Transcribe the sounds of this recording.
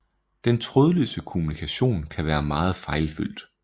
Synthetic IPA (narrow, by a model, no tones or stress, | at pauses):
d̥ent͡sʰʁɔð̞ˠəløsd̥əkʰo̝munikʰæɕo̝̰ːnkʰæʋæːɐmɑ̈ːð̞̩ˠfɑ̈ɪlfy̰l̰d̥